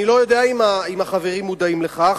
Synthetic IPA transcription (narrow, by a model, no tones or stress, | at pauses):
ilo̞jo̞d̪eaimaimaχave̞ʁimːud̪aimleχa